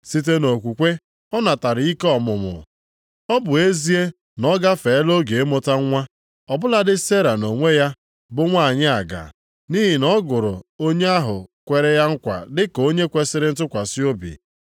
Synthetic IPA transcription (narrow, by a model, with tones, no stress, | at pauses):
si˦t̬e˦no˨kʷu˨kʷe˦ | ɔ˦na˨ta˨ɾɪ˨i˦kɔ˨mʊ˨mʊ̰˨ | ɔ˦bʊ˨e˦zi˦e˦ | nɔ˦ɡa˦fe˨˦lo˦ɡe˨e˦mo˦ta˦ŋʷa˦ | ɔ˨bʊ˦la˦dɪ˦se˦ɾa˨no˨ŋʷe˦ja˦ | bʊ˦ŋʷa˦˨ɲɪ˦a˨ɡa̰˨ | ni˦ɦi˨nɔ˦ɡʊ˨ɾʊ˨o˦ɲe˦a˦ɦʊ˨kʷe˨ɾe˦ja˦ŋ̩˦kʷa̰˨dɪ˦ko˦ɲe˦kʷe˦sɪ˦ɾɪ˦n̩˦t̬ʊ˦kʷa˨sɪ˦o˦bḭ˨